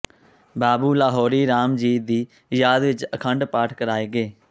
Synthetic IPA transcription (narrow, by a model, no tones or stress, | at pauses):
baːbuːlaːɦɔːɾiːɾaːmd͡ʒiːd̪iː | jaːd̪ʋɪt͡ʃəkʰəɳɖpaːʈʰkəɾaːeːɡeː